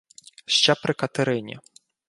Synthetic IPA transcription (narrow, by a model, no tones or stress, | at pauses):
ʃt͡ʃɛpɾɪkɐt̪ɪɾɪnʲḭ